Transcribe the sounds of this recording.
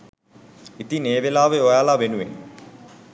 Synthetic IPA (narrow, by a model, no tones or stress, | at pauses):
it̪ineːʋelaːʋeojaːlaʋenuʋen